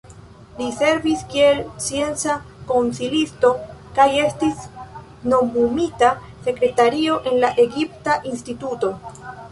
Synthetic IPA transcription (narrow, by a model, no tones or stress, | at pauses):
lise̞ɾviskie̞lt͡sie̞nt͡sako̞nsilisto̞kaje̞stis | no̞mbumita | se̞kɾe̞taɾio̞ʔe̞nlaʔe̞ɡiptaʔinstituto̞